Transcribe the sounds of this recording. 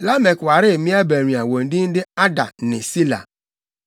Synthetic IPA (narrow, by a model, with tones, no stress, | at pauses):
la˦me˨kwa˨ɾɪ˦˨mi˦a˦be˨ɾi˨a˨wo˨n̩˦dɪ˦n̩˦dɪ˦a˦da˨nɪ˨si˦la̰˨